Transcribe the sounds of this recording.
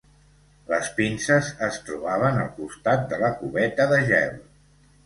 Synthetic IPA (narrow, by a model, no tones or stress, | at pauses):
ləspinsəzəst̪ɾuβaβənəlˠkust̪at̪̚d̪ələkuβɛt̪əðəʒɛl